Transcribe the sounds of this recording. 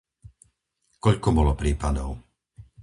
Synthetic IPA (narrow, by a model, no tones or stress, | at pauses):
kɔʎkɔbɔlɔpɾiːpad̪ɔʊ